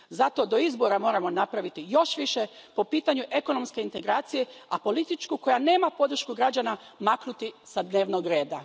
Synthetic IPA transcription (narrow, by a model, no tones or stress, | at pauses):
zat̪o̞d̪o̞izbo̞ɾamo̞ːɾamo̞napɾaʋit̪ijo̞ʃʋiʃepo̞piːt̪aɲuʔe̞ko̞no̞mske̞int̪e̞ɡɾaːt̪sije̞apo̞lit̪it͡ʃkuko̞jane̞ːmapo̞d̪ɾ̩ʃkuɡɾad͡ʑanamaknut̪isad̪ne̞ːʋno̞ɡɾe̞ːd̪a